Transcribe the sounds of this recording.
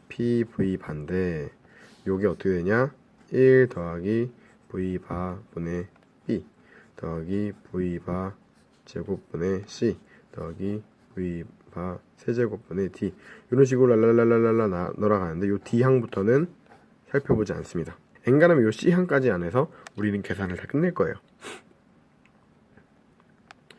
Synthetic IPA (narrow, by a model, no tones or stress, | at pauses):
pʰipuibande̞ | joɡeʌt͈ʌkʰedeɲa | iɭtʌaɡi | puibabune̞ | p͈i | tʌaɡipuiba | t͡ɕe̞ɡop͈une̞ɕ͈i | tʌɡi | puipa | sʰe̞d͡ʑe̞ɡop͈une̞tijuɾʌnɕ̬ʰiɡɾoɭaɭːaɭːaɭːaɭːaɭːaanoɾaɡanɯnde̞jotiɦaŋbutʰʌnɯn | sʰaɭpʰjʌbod͡ʑia̰ns͈ɯmɲida | eŋɡanɯmjoɕ͈iɦaŋk͈ad͡ʑiane̞sʰʌuɾinɯnke̞sʰanɯɭtak͈ɯnːeɭk͈ʌejo